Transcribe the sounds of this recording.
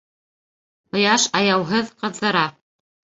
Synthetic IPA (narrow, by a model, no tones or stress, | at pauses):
ŏjɑʃɑjɑwɦɤðqɤ̆ðːɤ̆ɾɑ